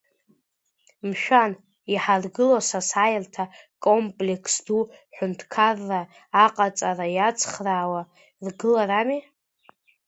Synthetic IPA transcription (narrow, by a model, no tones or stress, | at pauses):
mʃᶣan | iħarɡɨlosasajrtʰakʼompʼlekʰsduħʷᶣʊntʰkʰarːaː | qʼat͡sʼarajat͡sʰʼχraːwa | rɡɨlaɾami